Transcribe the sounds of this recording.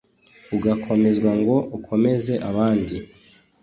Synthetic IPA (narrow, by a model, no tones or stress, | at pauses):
uɡakʰo̞me̞zɡwaŋɡo̞ʔukʰo̞me̞ze̞ʔaβaːndi